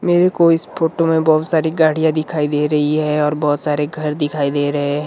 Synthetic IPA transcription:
meːɾekoɪspʰoːʈomẽbɔːt̪saːɾiɡaːɽ̤ijãd̪ɪkʰaːid̪eːɾɐɦiɦɛɔːɾbɔːʊt̪saːɾeɡʱɐɾd̪ɪkʰaːid̪eːɾɐɦeɦɛ̃

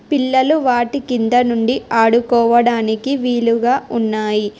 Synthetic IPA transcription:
piɭːɐluʋaːʈikind̪ɐnuɳɖiʔaːɽukɔːʋɐɽaːnikiʋiːluɡaːʔunːaːji

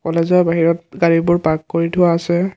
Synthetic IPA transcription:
kɔlezɔɹbaɦiɹɔt̚ɡaɹibʊɹpaɡ̚koɹitʰʊwaːsɛ

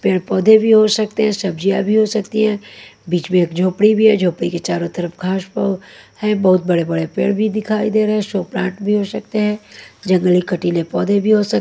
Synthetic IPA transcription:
peːɽpɔːd̪ʱebʱiɦosɐk̚t̪eɦɛ̃ːsɐb̚d͡ʒijabʱiɦosɐkt̪iɦɛ̃ːbiːt͡ʃmẽeːkd͡ʒʱoːpɽibʱiɦɛd͡ʒʱoːpɽiket͡ʃaːɾot̪əɾəpɡʱaːʃpəʋhɛ̃bɐɦʊt̪̚bɐɽebɐɽepḛːɽbʱid̪ɪkʰaːid̪eːɾəɦɛ̃ʃoːpɾãːʈbʱiɦosɐk̚t̪eɦɛ̃ːd͡ʒɐ̃ŋɡəlikɐʈiːlepɔːd̪ʱebʱiɦosɐ

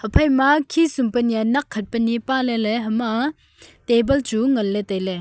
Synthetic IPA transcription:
həpʰɐjmakʰisumpɐnijanɐkʰːɐt̚pɐnːipalɛleɦəma | tebɐlt͡ʃuŋɐlːɛt̪ɐjlɛ

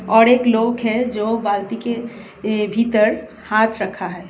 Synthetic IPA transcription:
ɔːɾeːkloːkɦɛd͡ʒoːbalt̪ike | bʱit̪əɾ | haːt̪ʰɾəkʰaɦɛː

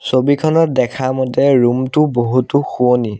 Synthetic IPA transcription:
sobikʰɔnɔdɛkʰamɔtɛɹumtʊboɦutuxuoni

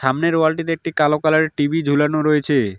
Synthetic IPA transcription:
ʃamneɾoalʈit̪eek̚ʈikalokalaɾeʈibid͡ʑʱulanoɾojet͡ɕʰe

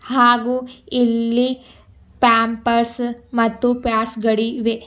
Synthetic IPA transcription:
haːɡuilːi | paːmpɐɾsmɐt̪ːupjaːɾsɡɐɽiʋe

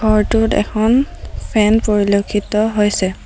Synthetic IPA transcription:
ɡʱɔɹtʊtɛ̰kʰɔnpʰɛnpoɹilokʰːitɔɦojsɛ

